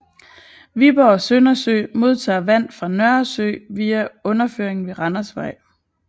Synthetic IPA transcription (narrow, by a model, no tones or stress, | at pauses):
ʋib̥ɐɒsønɐsø̰ːmo̝ð̞ˠt͡sʰɑ̰̈ːʋæn̰fʁɑ̈nɶɐsø̰ːʋiːæɔ̽nɐføɐ̰eŋn̩ʋe̝ʁɑ̈nɐsʋɑ̈ɪ̰